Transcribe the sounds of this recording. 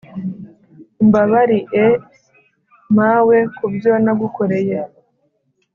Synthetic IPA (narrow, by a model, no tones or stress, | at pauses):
mbaβaɾiʔe | maːwekubjonaɡukʰoɾeje